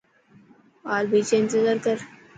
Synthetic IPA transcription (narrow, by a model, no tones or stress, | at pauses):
ɔːɾbʱiːt͡ʃeɪ̃nt̪ɪzaːɾkəɾ